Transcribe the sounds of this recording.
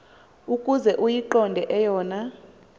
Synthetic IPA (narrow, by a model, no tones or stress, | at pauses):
ukʼuzɛʔujiǃɔndʱɛʔɛjɔːna